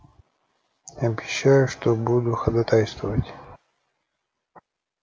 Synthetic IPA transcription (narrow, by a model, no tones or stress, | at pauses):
ɐbʲɪɕːajʊʂt̪obud̪ʊxəd̪ɐt̪ajst̪vəvətʲ